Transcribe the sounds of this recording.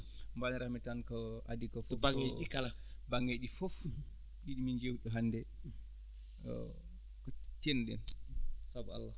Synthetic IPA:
mbanɾahmitankɔadikɔfɔbaŋeikala | baŋːeɗifof | ɗiɗimiɲd͡ʒewɗɔɦandɛ | ɔ̰ | kɔtenɗɛ̰nsaba̰lːa

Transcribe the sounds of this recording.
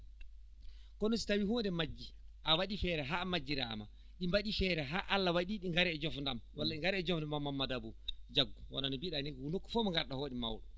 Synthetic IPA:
kɔnɔsi̥tawihɔndɛmad͡ʒːiʔawaɗifɛːɾɛɦaːmad͡ʒːiɾa̰ma̰ | ɗimbaɗifɛːɾɛɦaʔalːawaɗiɗiŋɡaɾɛɛd͡ʒɔfndamwalːaɗiŋɡaɾɛːd͡ʒɔfndamamːamːadabɔd͡ʒaɡːɔwɔ̰nanibiɗanikunokːɔ̥fɔːmiŋɡaɾɗahoːɗima̰wɗɔ

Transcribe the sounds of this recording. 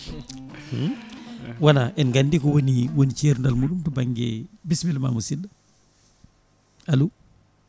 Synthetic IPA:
wanaɛnɡandikɔwoniwonit͡ʃeɾndalmuɗumtubaŋɡɛ̰bismilma̰musinːa | alu

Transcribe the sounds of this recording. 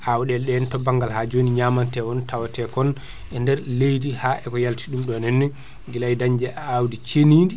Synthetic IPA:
ʔawɗɛlɗɛntɔbaŋɡalhad͡ʒoniɲaːmantɛwɔntawatɛkɔn | ɛndɛɾlejdihaʔɛkɔjaltiɗumɗɔnɛnːɛ | ɡilajdaɲd͡ʒɛʔawdit͡ʃenindi

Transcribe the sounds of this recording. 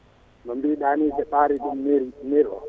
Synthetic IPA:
nɔmbiɗanidɛɓaːɾiɗumneɾinɛɾɔ̰

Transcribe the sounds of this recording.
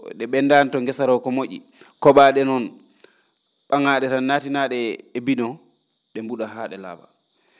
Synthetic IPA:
ɗɛɓɛndantɔŋɡɛsaɾɔkɔmoʔḭ | kɔɓaɗɛnɔn | ɓaŋaɗɛtanːatinaɗɛːbinɔ | ɗɛmbuɗaɦaːɗɛla̰ːba̰

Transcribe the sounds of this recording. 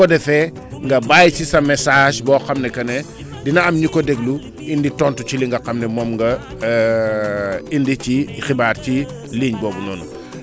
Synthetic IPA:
ɔdɛfɛ | ŋɡɐbaːjcisɐmɛsaːʃbɔːxɐmnɛkɐnɛ | dinɐɐmɲikɔdɛɡlu | inditɔntut͡ʃiliŋɡɐqɐmnɛmɔmŋɡɐ | indicixibaːɾci | liːɲbɔːbunɔːnu

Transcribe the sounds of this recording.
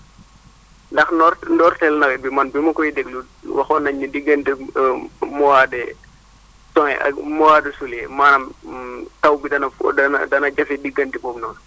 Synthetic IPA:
ndɐxnɔndɔːrtɛlnɐɡɛbimɐnbimɐkɔjidɛɡlu | wɐxɔnɐɲːudiɡɐnti | mɔwadɛ | sɔŋɛʔɐ̰mɔwaːdɛsulɛmaːnɐmtɐwbidɐnɐɐndɐnɐɟɐfidiɡɐndibɔːmnɔːn

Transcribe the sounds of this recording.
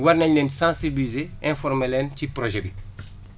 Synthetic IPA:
waɾnɛɲnɛːnsãːsibilizeɛ̃fɔɾmɛlɛːncipɾoʒɛbi

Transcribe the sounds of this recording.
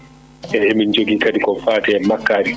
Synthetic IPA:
ʔɛhemind͡ʒoɡikadikɔfaːtɛmakːaːɾi

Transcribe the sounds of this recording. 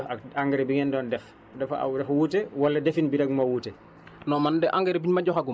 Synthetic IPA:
aaŋɡɛɾbiŋɛndɔːndɛf | dɛfa̰dɛfwutɛwalːɛdɛfinbidaɡmawuːtɛ | nɔmandɛʔaŋɡɛɾebiɲmaɟɔxaɡu

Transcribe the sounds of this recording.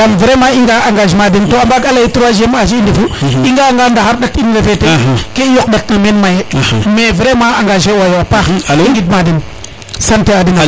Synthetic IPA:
amvɾemaiŋɡaaŋɡaʒmadintoambaɡalajituɾaʒemaʃiːndifuiŋɡaŋɡandaaɾɗakiniveɾfetekejok̚ɗaknamenmajemevɾemãaŋɡaʒewajwapaiɡid̚madin | santeadina

